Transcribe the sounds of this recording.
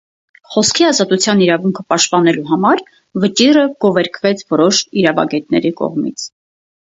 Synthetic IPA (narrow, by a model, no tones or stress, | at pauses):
χɔskʰiɑzɑt̪ut͡sʰjɑniɾɑvuŋkʰəpɑʃt̪̚pɑnɛluɦɑmɑɾ | vət͡ʃirəɡɔvɛɾkʰvɛt͡sʰvɔɾɔʃiɾɑvɑ̰ɡɛt̪̚nɛ̰ɾikɔ̰ʁmḭt͡sʰ